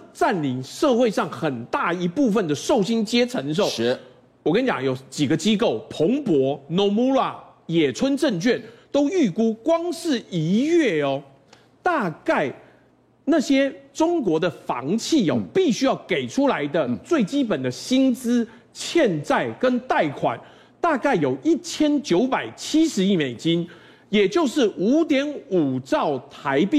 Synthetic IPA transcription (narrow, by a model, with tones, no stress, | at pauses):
ʈ͡ʂa˥˩nli˧˥ŋʂɤ˥˧xwe˥˧ɪʂɑ˥˩ŋxə˨˩nt̪a˥˩i˧˥pu˥˧fə˨nd̪ə˩ʂo˥˩ʊɕi˥nt͡ɕjɛ˥ʈ͡ʂʰə˧˥ŋʂ̬o˥˩ʊ | wɔ˨˩kə˥nt͡ɕjɑ̰˨˩ŋjo˨˩ʊt͡ɕi˨˩ɡə˦t͡ɕi˥ko˥˩ʊpʰo˧˥ŋpwɔ˧˥no˧˥mu˧˥lwa˥˩ | jɛ˨˩t͡sʰwə˦nʈ͡ʂə˥˧nt͡ɕʰɥɛ˥˩nt̪o˥ʊy˥˩ku˥kwɑ˥ŋʂɻ̩˥˨i˧˥ɥɛ˥˩ɔ˨˩ | t̪a˥˧ka˥˩ɪ | na˥˨˩ɕjɛ˥ʈ͡ʂʊ˥ŋk̬wɔ˧˥d̪ə˨fɑ̰˧˦ŋt͡ɕʰi˥˩ɔ̰˨pi˥˩ɕy˥jɑ˥˩ʊke˨˩ɪʈ͡ʂʰu˦la˧˦ɪd̪ə˧t͡swe˥˩ɪt͡ɕi˥pə˨˩nd̪ə˦ɕi˥nt͡sɹ̩˥ | t͡ɕʰjɛ˥˧nt͡sa˥˩ɪkə˦˥nt̪a˥˩ɪkʰwa̰˨˩˦n | t̪a˥˧ka˥˩ɪjo˨˩ʊʔi˥˩t͡ɕʰjɛ˦˥nt͡ɕjo˧˥ʊpa˨˩ɪt͡ɕʰi˥ʂɻ̩˧˦i˥˩me˨˩ɪt͡ɕi˦n | jɛ˨˩t͡ɕjo˥˧ʊʂɻ̩˥˩ʔu˧˥t̪jɛ˧˥nu˨˩ʈ͡ʂɑ˥˩ʊt̪ʰa˧˦ɪpi˥